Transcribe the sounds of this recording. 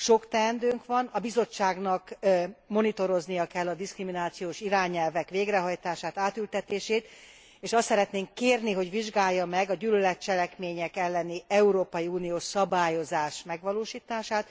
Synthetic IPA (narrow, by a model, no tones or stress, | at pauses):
ʃo̞kt̪ɛnd̪øːŋkʋɒnɒbizo̞t͡ʃːaːɡnɒkmo̞nit̪o̞ɾo̞znijɒkɛlːɒd̪iskriminaːt̪sijoːʃiɾaːɲɛlvɛkʋeːɡrɛɦɒjt̪aːʃaːt̪aːt̪ylt̪ɛt̪eːʃeːt̪ | eːʃɒst̪sɛɾɛt̪neːŋkːeːrniɦo̞ɟʋiʒɡaːjːɒmɛɡɒɟyːlølɛt̪̚t͡ʃɛlɛkmeːɲɛkɛlːɛniɛuɾoːpɒjiuːnijoːʃsɒbaːjo̞zaːʃmɛɡʋɒloːʃiːt̪aːʃaːt̪